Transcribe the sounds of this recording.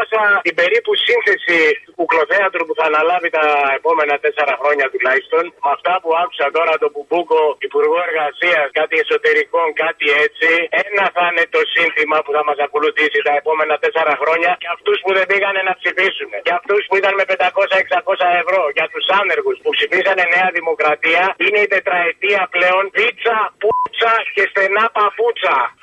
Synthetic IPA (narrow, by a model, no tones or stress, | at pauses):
sɐt̪ibe̞ɾipusinθe̞sit̪ukuklo̞θeɐt̪upuθɐːnɐlɐvit̪ɐe̞po̞me̞nɐt̪e̞se̞ɾɐxɾo̞ɲɐt̪ulɐist̪o̞nɐft̪ɐpuɐkusɐt̪o̞ɾɐt̪o̞bubuko̞ipuɾɣoe̞ɾɣɐsiɐskɐt̪ie̞so̞t̪e̞ɾiko̞ŋkɐt̪ie̞t͡sienɐθɐne̞t̪o̞sinθimɐpuθɐmɐsɐko̞luθisit̪ɐe̞po̞me̞nɐt̪e̞se̞ɾɐxɾo̞ɲɐcɐft̪uspuðe̞biɣɐne̞nɐpsifisune̞cɐft̪uspuit̪ɐnme̞pend̪ɐko̞sɐe̞ksɐko̞sɐe̞vɾo̞ʝɐt̪usɐneɾɣuspupsifisɐne̞ne̞ɐðimo̞kɾɐt̪iɐine̞it̪e̞t̪ɾɐe̞t̪iɐple̞o̞nðit͡sɐput͡sɐce̞st̪e̞nɐpɐput͡sɐ